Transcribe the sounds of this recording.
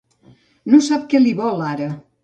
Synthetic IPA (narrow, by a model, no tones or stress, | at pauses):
nosap̚kɛliβɔlˠaɾə